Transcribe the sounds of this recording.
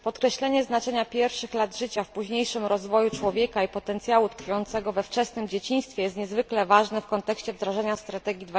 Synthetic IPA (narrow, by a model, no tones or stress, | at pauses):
pɔt̪kɾɛɕlɛɲɛznat͡ʂɛɲapʲjɛɾfʂɘxlad̪ʐɘt͡ɕafpuʑɲejʂɘmɾɔzvɔjut͡ʂwɔvʲjɛkaipɔt̪ɛnt̪sʲjawut̪kfujɔnt̪sɛɡɔvɛft͡ʂɛsnɘmd͡ʑet͡ɕĩɲ̃st̪fʲjɛjɛst̪ɲɛzvɘklɛvaʐnɛfkɔnt̪ɛkɕt͡ɕɛvd̪ɾaʐɛɲast̪ɾat̪ɛɡʲjid̪v